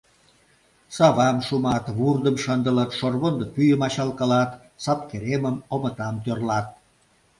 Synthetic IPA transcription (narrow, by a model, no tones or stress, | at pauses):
sɑβɑmʃumɑt̪βurd̪əmʃənd̪ələt̪ʃorβond̪əpyjəmɑɕɑlkɑlɑt̪ | sɑp̚keɾeməmomət̪ɑmt̪ørlɑt̪̚